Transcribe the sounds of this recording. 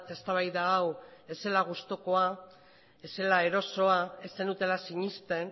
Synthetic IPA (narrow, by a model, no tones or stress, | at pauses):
t̪e̞st̪aβ̞ajðaːwe̞se̞laɣ̞ust̪oko̞a | e̞se̞lae̞ɾo̞so̞ae̞senut̪e̞lasiɲist̪e̞n